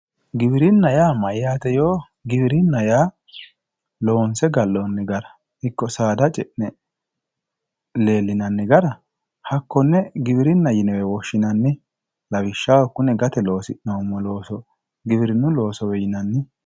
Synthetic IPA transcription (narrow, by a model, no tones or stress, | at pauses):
ɡɪbɪɾɪnːɐjaːmɐjjaːt̪ɛjoː | ɡɪbɪɾɪnːɐjaː | lo̞ːnsɛɡɐlːonːɪɡɐɾɐ | hɪkːɔsaːd̪ɐt͡ʃʼɛʔnɛ | le̞ːlːɪnɐnːɪɡɐɾɐ | hɐkːɔnːɛɡɪbɪɾɪnːɐjɪnɛwɛwɔʃːɪnɐnːɪ | lɐβɪʃːawɐkːʊnɛɡɐt̪ɛlo̞ːsɪʔnɐʊmːɔloːsɔ | ɡɪbɪɾɪnːʊlo̞ːsɔwɛjɪnɐnːɪ